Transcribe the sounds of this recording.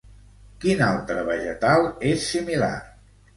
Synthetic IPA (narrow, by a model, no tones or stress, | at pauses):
kinalˠt̪ɾəβəʒət̪alˠesːimila̰ɾ